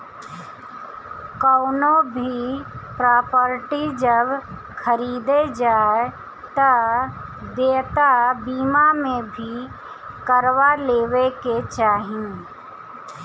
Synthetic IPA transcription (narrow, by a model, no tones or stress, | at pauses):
kɔʊnobʱipɾaːpəɾʈid͡ʒəb | xʰəɾiːd̪ed͡ʒaːe | t̪ə | d̪eːt̪abiːmamẽbʱi | kəɾwaleːʋeket͡ʃaːɦĩ